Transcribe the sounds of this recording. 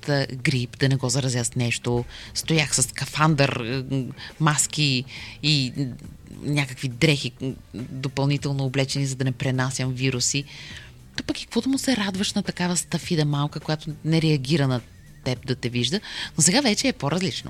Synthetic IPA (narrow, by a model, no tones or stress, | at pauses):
t̪ɡɾipd̪ɐnɛɡɔzɐɾɐzʲast̪nɛʃt̪ost̪ojaxsɐskɐfand̪ɐɾ | mask̟ii | nʲakəkvid̪ɾɛxid̪opɐlˠnit̪ɛlˠnoːblɛt͡ʃɛnizɐd̪ɐnɛpɾɛnasʲjəmviɾusi | t̪ɔpɐki̥k̚kvɔt̪omʊsɛɾad̪vɐʃnɐt̪ɐkavɐst̪ɐfid̪ɐmalˠkəkojat̪ʊnɛɾɛɐɡʲiɾɐnɐ | t̪ɛp̚d̪ɐt̪ɛviʒd̪ənosɛɡavɛt͡ʃɛːpoɾɐzlit͡ʃno̰